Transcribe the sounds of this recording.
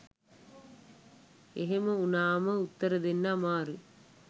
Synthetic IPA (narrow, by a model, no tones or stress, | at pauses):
eɦemɐunaːmɐut̪ːɐɾɐd̪enːɐmaːɾɯ